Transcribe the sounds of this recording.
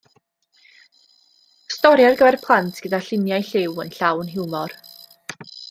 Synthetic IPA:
stɔɾjarɡəvɛrpʰlˠantʰɡ̥ədaɬɪnjajɬɪwənɬawnɦɪwmɔr

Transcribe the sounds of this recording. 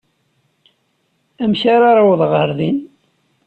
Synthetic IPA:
æmçaɾaɾˤawðˤʁəɾðin

